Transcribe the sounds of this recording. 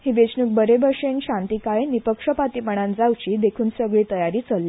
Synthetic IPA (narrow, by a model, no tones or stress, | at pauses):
hiːʋet͡ɕnuːk̚bəɾebəʂenɕãnt̪ikajnipəkʂəpat̪iməɳ̃ãnd͡zawt͡ɕiːd̪ekʰuːnsəɡɭiːt̪əjaɾiːt͡səlːe